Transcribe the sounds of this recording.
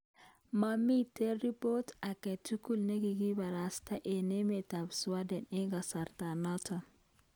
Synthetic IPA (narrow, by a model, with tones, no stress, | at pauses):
ma˨mi˦tɛ˦ɾi˦po˦ta˨kɛ˨tːu˦ku˦˨lne˦ɡi˨ɡi˦ba˨ɾa˨sta˦ʔe˨ne˦me˨ta˨bswa˦dɛ˨nɪ˦ŋɡa˨sa˨rta˨nɔ˦tʰɔ˨